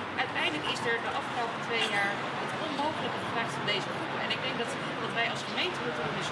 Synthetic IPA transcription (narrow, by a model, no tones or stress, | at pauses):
ʔœɥtɛjdələkɪzdəɹdəʔɑfχəlowpətʋejjaːɹ | ɦətɔnmowχələkəχəvɛχtfɑndejzəχrupɛnɪɡ̚dɛŋɡ̚dɑt | dɑtʋɛjɑlˠsχəmejntəmʊtoɪs